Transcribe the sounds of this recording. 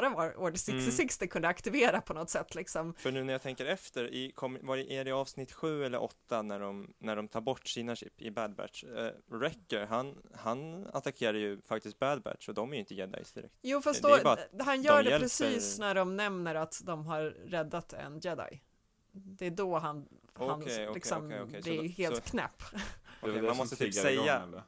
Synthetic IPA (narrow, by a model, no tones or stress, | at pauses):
ɾavɑːɾʔoːɖsɛksɪsɪkst̪ɪkʰɵnd̪əakt̪ɪveːɾapʰɔnɔt̪sɛt̪ːlɪksɔmfœɳʉ̟ːnæɾjat̪ʰɛŋkəɾɛft̪əɾɪkʰɔmːvɑɾɛʔæɖɛɑːvsnɪt̪ːɧʉ̟ːɛlːə̰ɾʔɔt̪ːanæɖɔmnæɖɔmt̪ʰɑːɾbɔʈːsiːnaɕɪpːɪbæd̪bæ̰ʈ̪ʂɾɛkːəɾɦanhanat̪akʰeːɾajɵfak̚t̪ɪsk̪̚bæd̪̚bæ̰ʈʂɔd̪ɔmæjʏɪnt̪əjɛd̪a̰jsd̪ɪɾɛ̰k̚t̪juːfasd̪ɔbɑːɦanjœːɖɛɛpɾɛsiːsnæɖɔmnɛmnəɾat̪d̪ɔmɦaɾːɛd̪ːat̪ɛ̰njɛd̪a̰j | d̪ɛːd̪ɔɦan | hanʰɛɔlɪksɔmɛɔkʰɛd̪ɛheːlkʰnɛ̰pːkɛmanmɔst̪ət̪isɛjːa